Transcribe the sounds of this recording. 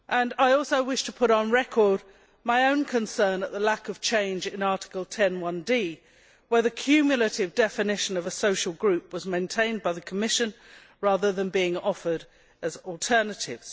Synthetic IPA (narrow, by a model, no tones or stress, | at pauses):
ʔə̃naɪɔˑlˠsoʊwɪʃtʰəpʰʊɾn̩ɹɛkʰəɹd̚ | maɪə̃ʊ̃nkʰə̃nsɜ̃nəʔ̪ðəlækʌv̥t͡ʃʰẽɪ̃nd͡ʒɪ̃nɑɹɾɪ̥kəl̩ˠtʰɛ̃nwʌ̃ndi | wə˞ðɨkʰj̥ʉmjl̩ˠəɾɪvdɛfɨnɪʃɨ̃nʌvəsoʊʃl̩ˠɡɹʉp̚wʌzmẽɪ̃ntʰẽɪ̃nbaɪðəkʰəmɪʃɨ̃n | ɹɑðə˞ðə̃nbiɪ̃ŋɔfə˞ɾ | ɨzl̩ˠtʰɜ˞nəɾɪ̰vz̥